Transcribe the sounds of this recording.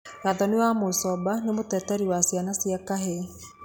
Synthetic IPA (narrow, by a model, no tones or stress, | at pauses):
ɣaðɔnewamosɔbanemotɛtɛɾiwasianasiakaɦe